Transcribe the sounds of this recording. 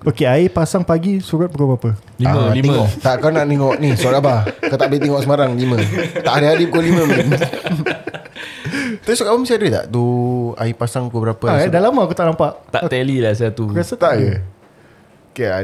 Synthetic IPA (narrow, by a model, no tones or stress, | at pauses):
okeaipasaŋpaɡisuɾat̪̚bəkobəɾapə | lialit̪ɛɔʔt̪aʔkawnaʔnɛŋɔʔnĩskabakat̪aʔbet̪ɛŋɔʔsəmaɾaŋlimə̃t̪aʔhaɾiɦaɾiəkolimə̃mn | t̪apisɔkabaməsiadit̪a̰ʔt̪ua̰ipasaŋkubəɾapəadalamaakut̪aʔnampaʔt̪a̰ʔt̪ɛlilas̬at̪ukɾiasət̪aʔɡə | okea̰